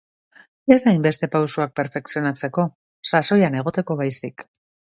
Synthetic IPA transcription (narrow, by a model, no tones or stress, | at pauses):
e̞sajmbe̞st̪e̞pawsuak̚pe̞ɾfe̞ksio̞nat͡se̞ko̞ | saso̞jane̞ɣ̞o̞t̪e̞ko̞βajsik